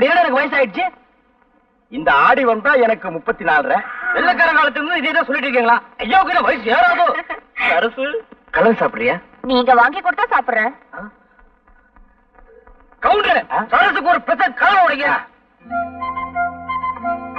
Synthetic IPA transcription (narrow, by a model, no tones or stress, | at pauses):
ɐpːɽɪjaːnɐɛnɐkːɯʋɐjɐs̬aːjɪʈɯt͡ʃːɯ | ɪnd̪ɐaːɽiʋɐnd̪ãːɛnɐkːɯmʊpːɐt̪ːinaːlɾɛ̃ːʋɛlːɐk̬ːaːɾɐʋeːɭɐt̪̬ːɯlɯɾnd̪ɯɪðɐjɐt̪ːãːsɔlːɪʈːɪɾɯk̬ːeːŋɡɐɭaːɐjːaːkːɪɾɐ̃ʋɐjɐsɯaːɾaːðɯsɐɾɐsɯkɐlɐnsaːpɯɽɪjɐː | nĩːɛŋɡɐʋaːŋɡɪkːɔɽt̪ːãːsaːpɯɾɾẽː | aː | kɐʋʊɳɖɾɐsɐɾɐsɯkːɯɔɾɯpɾɛsɐn̚kaːlɐmɐʊɽɐŋɡɐ